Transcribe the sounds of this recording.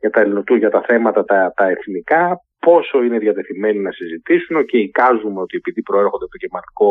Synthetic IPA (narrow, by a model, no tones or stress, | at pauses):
ʝɐt̪ɐnot̪uʝɐt̪ɐθe̞mɐt̪ɐt̪ɐt̪ɐe̞θnikɐ | po̞so̞ine̞ðjɐt̪e̞θime̞ninɐsizit̪isuno̞ceikɐzume̞o̞t̪ie̞piðipɾo̞eɾxo̞nd̪et̪ocemɐliko̞